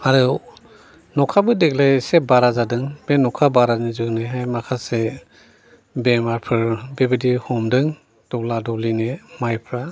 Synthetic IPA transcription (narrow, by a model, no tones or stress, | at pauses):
aɾɯ | nɔkʰabɯdek̚lajsebaɾazadɯŋbenɔkʰabaɾanizɯneɦajmakʰase | bemaɾpʰɯɾbebidihɔmdɯŋ | d̥ɔladɔlinemajpʰɾa